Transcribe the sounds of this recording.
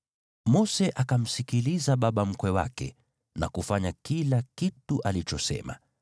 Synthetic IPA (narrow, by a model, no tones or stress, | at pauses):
mɔsɛʔakam̩sikilizaɓaɓam̩kwɛwa̰kɛ̰ | na̰kufaɲakilakituʔalit͡ʃɔsɛ̰ma̰